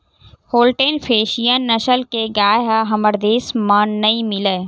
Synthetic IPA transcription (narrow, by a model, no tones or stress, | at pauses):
hoːlʈeːnpʰeːʃijənːɐʃəlkeɡaːjɦaɦɐməɾd̪eːsmaːnːɐĩmɪleː